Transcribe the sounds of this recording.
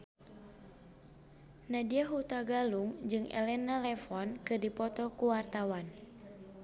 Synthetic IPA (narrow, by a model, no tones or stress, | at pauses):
nadiaɦut̪aɡaluŋd͡ʒɨŋʔɛ̰lɛnalɛfɔnkɨrdipɔt̪ɔkuwart̪awan